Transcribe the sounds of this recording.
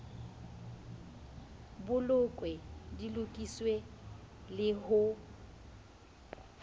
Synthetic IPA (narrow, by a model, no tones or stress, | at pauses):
bʊlʊkʼwedilʊkʼiswe | lɪhʊ